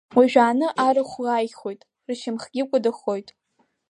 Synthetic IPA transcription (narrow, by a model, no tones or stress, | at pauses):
wiʒᶣaːnɨʔaɾɨχʷlaːjχo̞jtʼ | rʃɪmχɡʲɪkʷʼʊdɨχo̞jtʼ